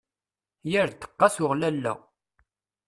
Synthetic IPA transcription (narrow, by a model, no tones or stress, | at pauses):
jəɾt̪ːə̥qːɑsʊʁlælːæ̰